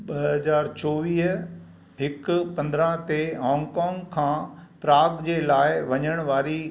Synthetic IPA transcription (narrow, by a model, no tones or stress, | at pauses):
ɓɐɦɐzaːɾt͡ɕoːʋiːɦ | ɦɪkpɐ̃nd̪ɾãt̪eɦɔ̃ːŋɡkɔ̃ːŋɡkʰãːpɾaːɡd͡ʑeːlaːɪʋɐɲəɽ̃ʋaːɾi